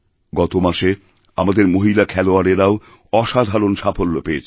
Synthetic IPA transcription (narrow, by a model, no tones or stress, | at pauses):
ɡɔt̪omaʃe | amad̪eɾmoɦilakʰɛloaɾeɾao | ɔʃad̪ʱaɾonʃafolːopeet͡ɕʰ